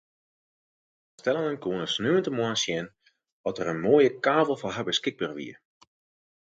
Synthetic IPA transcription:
stɛlˠənənkuənəsnøːəntəmwɔnsjɛn | ʋɔtərənmoːjəkaːvəlˠfɔɦabəskɪɡ̚bərʋḭə

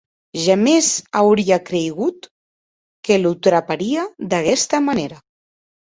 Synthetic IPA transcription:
ʒamezawɾiakɾejɣ̞ut̪ | kelut̪ɾapaɾiad̪akɛst̪amaneɾa

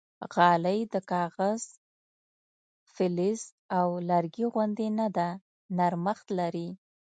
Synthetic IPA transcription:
ɣɑləjd̪əkɑɣaz̥ | fɪlɪz | awlaɾɡiɣʊnd̪enad̪a | naɾməxt̪laɾi

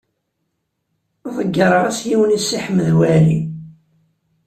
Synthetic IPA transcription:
ðˤəɡːəɾˤəʁæsjiwənisːiħəmːəðwælḭ

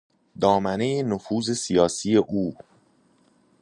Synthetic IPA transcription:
d̪ɒːmæne̞jenofuːze̞sijɒːsije̞ʔuː

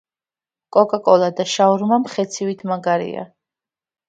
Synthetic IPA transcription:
kʼɔkʼakʼɔlˠad̪aʃauɾmamχɛt̪sʰivit̪ʰmaɡaɾḭa̰

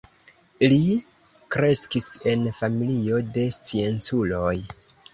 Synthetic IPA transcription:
li | kɾe̞skise̞nfamilio̞de̞st͡sie̞nt͡sulo̞j

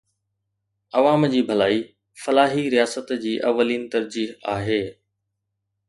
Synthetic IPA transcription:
ɐʋaːmd͡ʑiːbʱɐlaːi | fɐlaːɦiɾijaːsət̪d͡ʑiːʔɐ̰ʋːəliːnt̪ɐɾd͡ʑiːɦaːɦeː

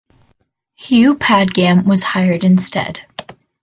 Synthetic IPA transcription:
hjʉpʰæd̚ɡæ̃mwʌz̥haɪə˞ɾɨ̃nstɛ̰d̥

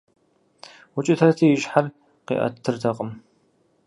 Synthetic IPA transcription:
wʊt͡ʃʼɪtʰɐtʰijɪʒħar | qḭʔɐ̰t̪ʰːɨrdʰɐqʼəm

